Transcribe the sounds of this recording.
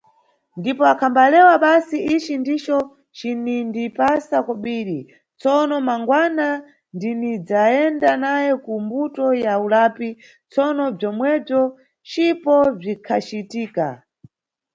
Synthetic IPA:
ndipɔakʰambalɛwaɓasiʔit͡ʃindit͡ʃɔ | t͡ʃinindipasakɔɓiːɾi | t͡sɔnɔmaŋɡwana | ndinid͡zaɛndanajɛkumbutɔjaulapi | t͡sɔnɔb͡ʐɔmwɛb͡ʐɔ | t͡ʃipɔb͡ʐikʰat͡ʃitiːka̰

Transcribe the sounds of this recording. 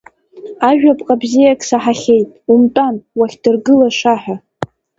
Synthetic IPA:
aʒᶣapʼqʼabzijakʰʼsaħaχʲe̞jtʼumtʼanwaχʲdɨrɡɨlaʂaħa

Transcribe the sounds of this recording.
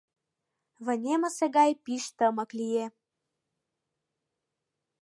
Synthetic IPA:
βə̆nʲemə̆seɡɑjpiʃt̪əmɤ̆klije

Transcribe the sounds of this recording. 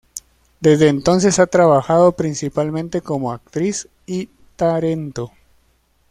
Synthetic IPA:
d̪e̞zðe̞ːnt̪o̞ns̬e̞sat̪ɾaβaxaðo̞pɾinsipalmẽnt̪e̞ko̞mo̞ak̚t̪ɾis | i | t̪aɾe̞nt̪o

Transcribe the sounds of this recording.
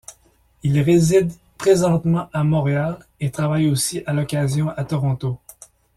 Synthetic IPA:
ilʁezid̪ | pχezɑ̃t̪mɑ̃ʔamɔ̃ʁealet̪χavajosiʔalɔkʲazjɔ̃ʔat̪ɔʁɔ̃t̪o

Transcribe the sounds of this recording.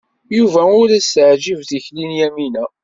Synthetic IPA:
juvæʊɾæsəʕd͡ʒivθiçlinjæminæ

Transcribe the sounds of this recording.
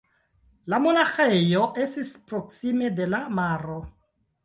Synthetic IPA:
lamonaxejoʔe̞stispɾoksime̞de̞lamaɾo

